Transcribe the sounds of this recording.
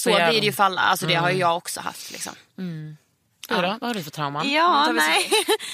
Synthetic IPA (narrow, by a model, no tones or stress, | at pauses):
soviːɾɪjʊfalːa̰alsɔd̪ɛɦaɾjjɑːɡɔksɔ̰ha̰ft̪lɪ̰ksɔ̰m | ɾɔvaaɾdfœt̪ʰɾaʊmanjɑːnɛ